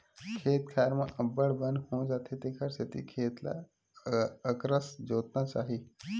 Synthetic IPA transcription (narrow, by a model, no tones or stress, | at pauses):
kʰeːt̪̚kʰaːəɾmãʔəbəɽbənɦõːd͡ʒaːt̪ʰet̪eːkʰəɾset̪ḭkʰeːt̪la̰ | əkɾəsd͡ʒoːt̪nat͡ʃaːɦiː